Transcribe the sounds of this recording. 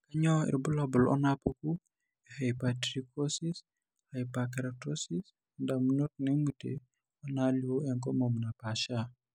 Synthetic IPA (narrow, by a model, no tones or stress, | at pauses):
kaɲɔɪ̰ɾbʊlabʊlɔ̰napuku | ɛhajpatɾikosis | hajpakɛɾatosis | ndamunot̚nemutḛ | ɔnalioɛŋkɔmomnapaʃa